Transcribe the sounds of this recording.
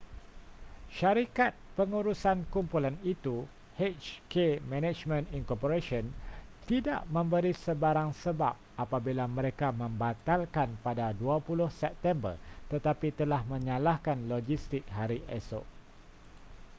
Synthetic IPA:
ʃaɾikat̪̚pəŋuɾusankumpulanit̪u | het͡ʃkemɛ̃nɛ̃t͡ʃmə̃ninkɔpoɾesiɔnt̪ida̰ʔmə̃mbəɾisəbaɾaŋsəba̰p̚apabilamə̃ɾekamə̃mbat̪alkanpadaduapulʊhsɛp̚t̪ɛmbə̰rt̪ət̪apit̪əlahmə̃ɲãlahkanlod͡ʒist̪ɪk̚ɦaɾiʔɛso̰ʔ

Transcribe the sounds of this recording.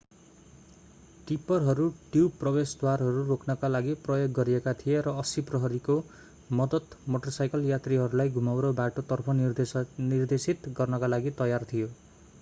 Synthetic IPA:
ʈipʌrɦʌɾuʈiwprʌbesd̪warɦʌɾurokʰnʌkalaɡiprʌjoɡːʌɾiekat̪ʰijeɾʌːsiprʌɦʌɾiko | mʌd̪ʌt̪moʈʌrsajkʌljat̪riɦʌɾulajɡʱumawɾobaʈot̪ʌrpʰʌnird̪esit̪ɡʌrnʌkalaɡit̪ʌjart̪ʰijo

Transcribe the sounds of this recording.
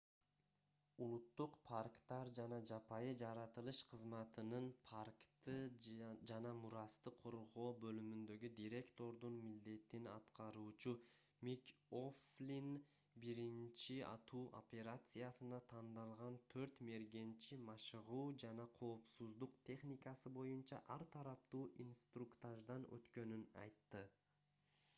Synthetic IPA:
ulˠut̪ːuqpʰarkt̪ɑɾd͡ʒɑnɑd͡ʒɑpɑjɯd͡ʒɑɾɑt̪ɯlˠɯʃqʰɯzmɑt̪ɯnɯnpʰarkt̪ɯd͡ʒɑnɑmuɾɑst̪ɯqʰo̞ɾʁo̞ːbø̞lymynd̪ø̞ɡyd̪iɾe̞kt̪o̞ɾd̪unmild̪e̞t̪inɑ̰t̪qɑɾuːt͡ʃu | mʲikoflʲin | biɾint͡ʃiɑ̰t̪ʰuːʔo̞̰pʲe̞ɾat̪sɨjasɯnɑt̪ʰɑnd̪ɑlˠʁɑnt̪ʰø̞ɾt̪me̞ɾɡe̞nt͡ʃimɑʃɯʁuːd͡ʒɑnɑqʰo̞ːpsuzd̪uqt̪ʰʲe̞χnʲikɑsɯbo̞junt͡ʃɑ̰ʔɑɾt̪ʰɑɾɑp̚t̪uːʔinst̪rukt̪aʒd̪ɑnø̰t̪kø̞nynɑ̰jt̪ːɯ

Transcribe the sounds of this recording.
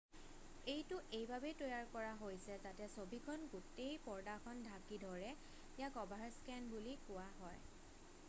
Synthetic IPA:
ejtʊʔejbʱabɛtojaɹkɔɹaɦojsɛtatɛsobʱikʰɔnɡutejpɔɹdakʰɔndʱakidʱɔɹɛ | jakɔbʱaɹskɛnbulikʊwaɦɔj

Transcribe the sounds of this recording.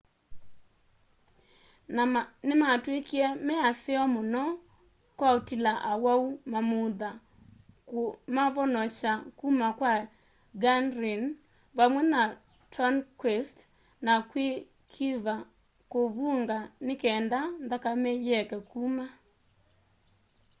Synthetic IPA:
nanematwekiɛmɛaθeɔmonɔ | kwaotilaʔawaumamoða | maβɔnɔʃakumakwa | ɡanɾin | βamwɛna | tankwɛst | nakwe | kʰiva | koβuŋɡanekɛːndanðakamɛjɛkɛkuma

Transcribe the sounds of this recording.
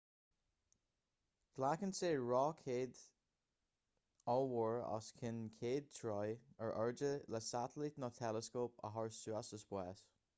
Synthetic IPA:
ɡ̥lakənseːɹɔːkʰeːd̪ | ɔwəɹɔ̰skʰɪnkʰeːd̪̚t̪ʰɹɔjəɹʔɛɹd͡ʒələsat̪əlit̪nɔtʰɛləskoːpə̰ɦɔɹsuasəsb̥wɛːs

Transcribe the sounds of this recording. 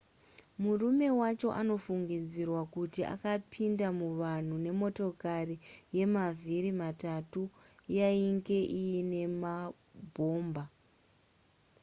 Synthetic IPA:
murume̞wat͡ʃo̞ʔano̞fuŋɡid͡zirwakutiʔa̰kapʰindamuʋan̤une̞mo̞to̞karije̞maviɾimatatujaiŋɡe̞ʔijine̞ma | bʱo̞ːmba

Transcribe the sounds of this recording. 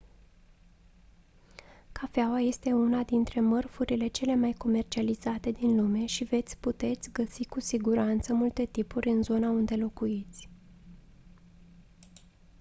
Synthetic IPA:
kafeawaje̞st̪e̞unad̪int̪ɾe̞mərfuɾile̞t͡ʃe̞le̞majko̞me̞rt͡ʃializat̪e̞d̪inlume̞ʃive̞t̪sʲput̪e̞t̪sʲɡəsikusiɡuɾant̪səmult̪e̞t̪ipuɾʲɨnzo̞naund̪e̞lo̞kuit̪sʲ

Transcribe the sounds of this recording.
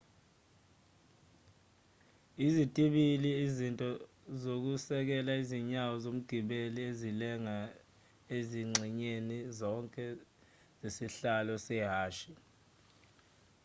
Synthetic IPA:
izitʼiɓiliːzintʼɔ | zok̬usɛk̬ɛlaiziɲawɔzom̩ɡ̥ʱiɓeliezilɛŋa | eziŋ͡ǀʱiɲenizɔŋkʼɛ | zesiɬalɔsɛɦaːʃi

